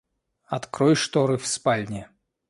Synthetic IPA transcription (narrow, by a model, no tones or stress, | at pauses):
at̪kɾɔjʂt̪ɔɾɨfspalʲnʲɛ